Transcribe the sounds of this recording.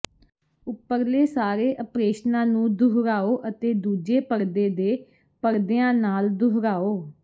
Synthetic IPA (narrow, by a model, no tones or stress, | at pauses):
ʊpːəɾleːsaːɾeːʔəpɾeːʃnãːnũːd̪ʊɦɾaːoːʔət̪eːd̪uːd͡ʒeːpəɾd̪eːd̪eː | pəɾd̪eːãːnaːld̪ʊɦɾaːoː